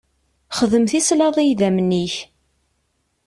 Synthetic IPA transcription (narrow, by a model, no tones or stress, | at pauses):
χəðəmθislɑðˤijðæmnːiç